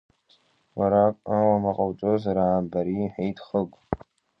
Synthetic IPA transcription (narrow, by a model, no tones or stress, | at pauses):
waɾakʷʼawamɐqʼawt͡ʃʼozaɾaːmbaɾiħejtʰʼχəɡʷʼ